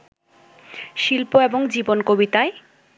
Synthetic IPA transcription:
ʃilpoeboŋd͡ʑibonkobit̪ae

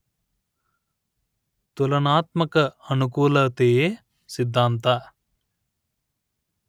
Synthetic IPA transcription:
t̪ulɐnaːt̪̚mɐkɐɐnukuːlɐt̪eː | sɪd̪ʱːaːnt̪ɐ

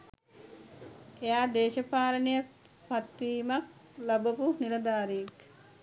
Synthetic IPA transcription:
ejaːd̪eːʃɐpaːlənejə | pat̪ʋiːmak̚labəpunilɐd̪aːɾiek

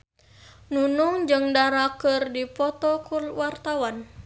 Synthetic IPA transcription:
nunuŋd͡ʒɨŋdaɾakərdipɔt̪ɔkulwart̪awan

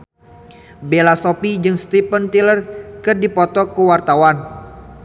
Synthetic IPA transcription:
belasɔpid͡ʒɨŋst̪ipənt̪ilərkɨrdipɔt̪ɔkəwart̪awan

